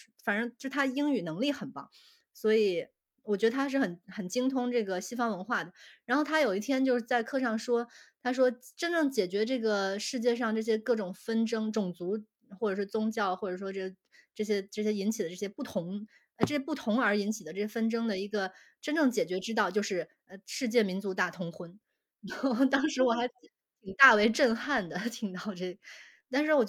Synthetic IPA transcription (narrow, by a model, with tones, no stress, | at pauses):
fa˨˩nə˧˥o˥˧˥ʂt̪ʰa˥˧i˥ŋy˨˩nɤ˧˥ŋli˥˩xə˨˩npɑ̰˥˩˦ŋ | swɔ˧˥i˨˩˦ | wɔ˨˩t͡ɕɥɛ˧˥d̪ə˧t̪ʰa˥ʂ̬ɻ̩˥˩xə˨˩nxə˨˩nt͡ɕi˥ŋt̪ʰʊ˥ŋʈ͡ʂɤ˥˩ɡə˩ɕi˥fɑ˥ŋwə˧˥nxwa˥˩d̪ə˩ɻa˧˥nxo˥˩ʊt̪ʰa˥jo˨˩ʊi˥t̪ʰjɛ˥nt͡ɕjo˥˧ʊʂɻ̩˥˧˩t͡sa˥˧ɪkʰɤ˥˧ʂɑ˥˩ŋʂwɔ˥t̪ʰa˥ʂ̬wɔ˥ʈ͡ʂə˥nʈ͡ʂɤ˥˩ŋt͡ɕjɛ˨˩t͡ɕɥɛ˧˥ʈ͡ʂɤ˥˩ɡə˩ʂɻ̩˥˧t͡ɕjɛ˥˧ʂ̬ɑ˥˧ŋʈ͡ʂɤ˥˩ɕ̬jɛ˥kɤ˥˩ʈ͡ʂʊ˨˩ŋfə˥nʈ͡ʂɤ˥ŋʈ͡ʂʊ˨˩ŋt͡su˧˥ | xwɔ˥˩ʈ͡ʂɤ˨˩ʂwɔ˥t͡sʊ˥ŋt͡ɕjɑ˥˩ʊxwɔ˥˩ʈ͡ʂɤ˨˩ʂwɔ˥ʈ͡ʂɤ˥˩ɡə˩ | ʈ͡ʂɤ˥˩ɕ̬jɛ˥ʈ͡ʂɤ˥˩ɕjɛ˥i˧˥nt͡ɕʰi˨d̪ə˦ʈ͡ʂɤ˥˩ɕjɛ˥pu˥˩t̪ʰʊ˧˥ŋ˧ | ʈ͡ʂɤ˥˩ɕjɛ˥pu˥˩t̪ʰʊ˧˥ŋə˞˧˥i˧˥nt͡ɕʰi˨˩d̪ə˦ʈ͡ʂɤ˥˩ɕjɛ˥fə˥nʈ͡ʂɤ˥ŋd̪ə˨i˧˥ɡə˧ | ʈ͡ʂə˥nʈ͡ʂɤ˥˩ŋt͡ɕjɛ˨˩t͡ɕɥɛ˧˥ʈ͡ʂɻ̩˥t̪ɑ˥˧ʊt͡ɕjo˥˧ʊʂɻ̩˥˩ | ə˧ʂɻ̩˥˧t͡ɕjɛ˥˩mi˧˥nt͡su˧˥t̪a˥˩t̪ʰʊ˥ŋxwə˥n˥˩ | t̪ɑ˥ŋʂɻ̩˧˥wɔ˨˩xa˧˥ɪ | t̪ʰi˨˩ŋt̪a˥˩we˧˥ɪʈ͡ʂə˥˧nxa˥˩nd̪ə˩t̪ʰi˨˩ŋt̪ɑ˥˧ʊʈ͡ʂɤ˥˩ | t̪a˥˧nʂɻ̩˥˩wɔ˨˩t͡ɕ